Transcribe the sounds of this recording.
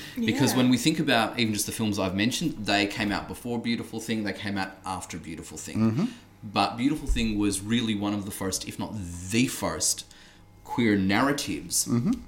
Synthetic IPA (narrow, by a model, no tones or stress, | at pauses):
b̥ɨkʰʌzwə̃nwiθɪ̃ŋkɨbaʊɾʔivɨn̩d͡ʒʌs̚ðɨfɪlˠmzaɪvmɛ̃nʃn̩ðeɪkʰẽɪ̃maʊt̚b̥əfɔɹbjʉɾəfl̩ˠθɪ̃ŋðeɪkʰẽɪ̃maʊɾʔæftə˞bjʉɾəfl̩ˠθɪ̰̃ŋ | b̥ʌt̚b̥jʉɾəfl̩ˠθɪ̃ŋwʌzɹɪlˠiwʌ̃nʌvðəfɜ˞stɨfnə̰t̪̚ðɨfɜ˞st | kʰw̥ɪɹnæɹɨɾɪvz̥